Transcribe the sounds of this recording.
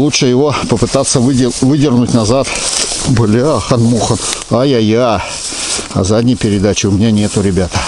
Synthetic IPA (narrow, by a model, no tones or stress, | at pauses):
lˠuʂɨjɪvo̞pəpɨt̪at̪sːəvɨvɨdʲɪrɡnʊtʲnɐzat̪bɨlʲaxɐnmuxənajaja | ɐ̰zadʲnʲɪjpʲɪɾʲɪd̪at͡ɕɪʊmʲɪnʲanʲe̞t̪ʊɾʲɪbʲat̪ə